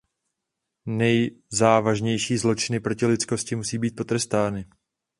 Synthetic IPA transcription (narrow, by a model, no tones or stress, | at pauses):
nɛjzaːvaʒɲɛjʃiːzlo̞t͡ʃɪnɪpɾo̞cɪlɪt̪t͡sko̞scɪmusiːbiːt̪̚po̞t̪ɾɛst̪aːnɪ